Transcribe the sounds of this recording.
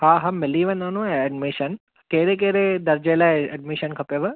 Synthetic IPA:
haːɦɐmːɪliʋɐ̃nɐnũaɐɖmiʃɐn | keːɾek̬eɾed̪ɐɾd͡ʒeːlaeɐ̰ɖmiʃɐnkʰɐpeʋɐ

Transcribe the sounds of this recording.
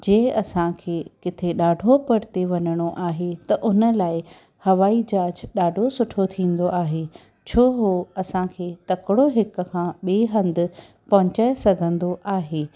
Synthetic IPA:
d͡ʑẽːɐsãkʰeːkɪt̪ʰeɗaːɖʱopɐɽt̪eʋɐɲəɽ̃oʔaːɦet̪ɐʔʊnə̆laːɪ | hɐʋaːid͡ʑaːd͡ʑɗaːɖʱosʊʈʰot̪ʰĩːn̆d̪oʔaːɦe | t͡ɕʰoːɦoɐsãkʰeːt̪ɐkɪɽoɦɪk̆kʰãːɓeːɦɐ̃nd̪ɪ̆ | pɐɦʊ̃t͡ɕaːesɐɡʱə̃nd̪oʔaːɦeː

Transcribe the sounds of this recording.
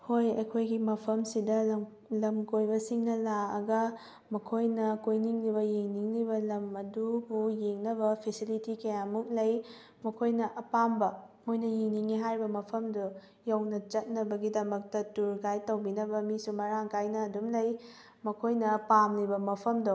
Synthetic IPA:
hojɐkʰojɡimɐpʰɐmsidɐ | lɐmkojbɐsiŋnɐlaɐ̰ɡɐ | mɐkʰojnɐkojniŋlibɐjiŋniŋlibɐlɐmɐdubujeŋnɐbɐpʰesilitikɐjamuk̚lɐj | mɐkʰojnɐʔɐpambɐ | mojnɐjiŋniŋiɦaɾibɐmɐpʰɐmdu | jawnɐt͡ʃɐt̚nɐbɐɡidɐmɐk̚tɐtuɾɡajtɐwbinɐbɐmisumɐɾaŋkajnɐːdumlɐj | mɐkʰojnɐpamlibɐmɐpʰɐmdow

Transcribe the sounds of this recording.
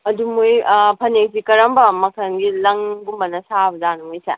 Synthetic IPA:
ɐdumujpʰɐnek̚sikɐɾɐmbɐmɐkʰɐnɡilɐŋɡumbɐnɐsabɐzanuŋojsɐ̰

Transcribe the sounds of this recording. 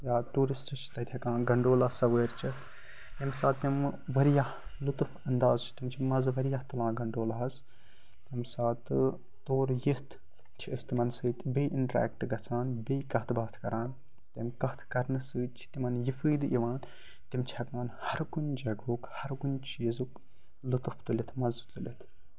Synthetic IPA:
jaːʈuːɾisʈɨt͡ʃʰi̥t̪ɐt̪ʲʰɐkãːɡɐɳɖoːlasɐweːɾt͡ʃʰi | j̪imsaːt̪ːimʋɐɾjahlut̪ufɐnd̪aːzt͡ʃʰi̥t̪imt͡ʃʰimɐzʋɐɾijat̪ulãːɡɐɳɖoːlaɦɐs | t̪imsaːt̪ɨ | t̪oːɾjiht̪ | t͡ʃʰiɐsʲt̪imɐnsɨːt̪bejʔiɳʈɾɛ̰ːkʈɡɐt͡sʰaːnbeːjkɐht̪ʰbaːt̪ʰkɐɾaːn | t̪ɐmkɐht̪ʰkɐɾnɨsɨːt͡ʃʰi̥t̪imɐnjifɨːd̪ɨʔiʋaːn | t̪imt͡ʃʰihɐkmɐnhɐɾɡund͡ʒɐɡoːkhɐɾɡunt͡ʃʰizuk | lut̪uft̪ulʲit̪ʰmɐzt̪ulʲit̪ʰ

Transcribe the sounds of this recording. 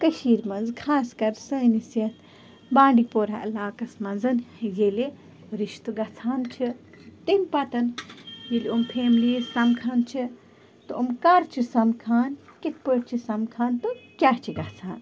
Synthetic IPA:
kɐʃiːɾmɐnzkʰaːskɐɾsəːnisjɐt̪ʰ | bãːɳɖipoːɾaɐlaːkɐsmɐnzɐnjeli | ɾiʃt̪uɡɐt͡sʰaːnt͡ʃʰi | t̪imʲpɐt̪ɐnjilumpʰeːmliːzɐmkʰaːnt͡ʃʰi | t̪oumkaːɾt͡ʃʰisɐmkʰaːnkit̪̚ʰpəːɾt͡ʃʰisɐmkʰaːnt̪okʲat͡ʃʰiɡɐt͡sʰaːn

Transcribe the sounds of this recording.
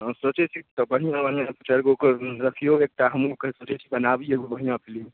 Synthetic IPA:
sot͡ʃet͡ʃʰit̪ɔbəɦijãbənjãpət͡ʃalkookəɾəkʰijoek̚ʈaɦəmokəɦsot͡ʃet͡ʃʰi̥bənabieɡobəɦijãpʰili

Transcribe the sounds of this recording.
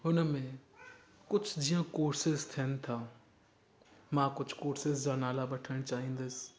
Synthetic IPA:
ɦʊnəmẽ | kʊd͡ʒʰʱd͡ʒiːãkoːɾsɪzt̪ʰijən̆t̪ʰaː | mãːkʊd͡ʑʱkoːɾsɪzd͡ʒanaːlaɓɐʈʰəɽ̃t͡ʃaːɦĩːn̆d̪əs

